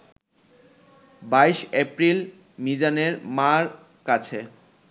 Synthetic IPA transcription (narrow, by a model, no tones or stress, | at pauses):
baiʃɛpɾil | mid͡ʑaneɾmaɾ | kat͡ɕʰe